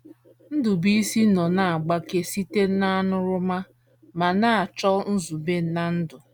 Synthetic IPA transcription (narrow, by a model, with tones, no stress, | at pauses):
n̩˦dʊ˨bi˦si˦nɔ˨na˦˨a˨ɡ͡ba˦ke˨si˦te˦na˦a˦nʊ˦ɾʊ˦ma˦ | ma˨na˦a˨t͡ʃɔ˦n̩˦zu˨be˦na˦n̩˦dʊ˨